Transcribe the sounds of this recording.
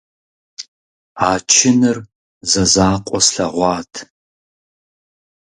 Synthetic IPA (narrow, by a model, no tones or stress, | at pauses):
aːt͡ʃʰɪnɨr | zɐzaːqʷʼɔsɬɐʁʷɑːtʰ